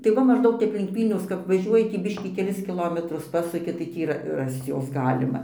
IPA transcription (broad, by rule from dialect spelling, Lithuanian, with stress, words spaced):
tɐɪ ˈʋɐ mɐʒˈdɐʊk ˈtʲɛp lʲɪŋk ˈʋʲiːlʲnʲɛʊs kɐp ʋɐˈʒʲuɔjɪ tʲiː ˈbʲɪʃʲkʲiː kʲɛˈlʲɪs kʲɪˈlˠoːmʲɛtrʊs ˈpɑːsʊkʲɪ tɐɪ ˈtʲiː iːˈrɐ ˈrɐst͡s ˈjoːs ˈɡɑːlʲɪmɐ